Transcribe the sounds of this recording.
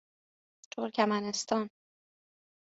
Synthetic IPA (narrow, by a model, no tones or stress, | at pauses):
t̪ʰoɾcʲʰæmænest̪ʰɒːn